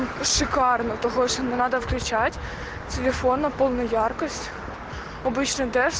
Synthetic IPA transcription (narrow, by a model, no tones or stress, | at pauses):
ʃɪkɑrnɔt̪ɔɦɔʃnɛnɑd̪ɐwklʲʊt͡ʃɑtʲ | t̪ʲelʲefɔnɐpɔlˠnʊjɑrkɔsʲtʲ | ɔbˠɪt͡ʃnɔd̪ɛ